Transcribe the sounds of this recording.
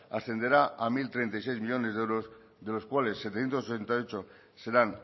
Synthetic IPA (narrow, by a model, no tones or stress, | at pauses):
asθe̞nd̪eɾaamilt̪ɾe̞nt̪ajse̞jzmiʎo̞ne̞zðe̞wɾo̞z | ðe̞lo̞skwale̞sːet̪eθje̞nt̪osoent̪ajot͡ʃo̞ | se̞ɾan